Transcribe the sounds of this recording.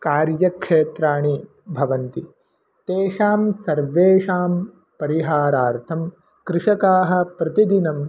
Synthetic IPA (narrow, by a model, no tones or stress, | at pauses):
kaːɾjɐkʂeːt̪ɾaːɳi | bʱɐʋɐnt̪i | t̪eːʂaːmsɐɾʋeːʂaːm | pɐɾiɦaːɾaːɾt̪ʰɐm | kɾɪʂɐkaːɦɐ̆pɾɐt̪id̪inɐm